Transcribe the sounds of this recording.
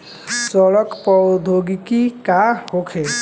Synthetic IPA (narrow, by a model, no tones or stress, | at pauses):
zɔlɔkpɔd̪ʱoɡikikahokʰɛ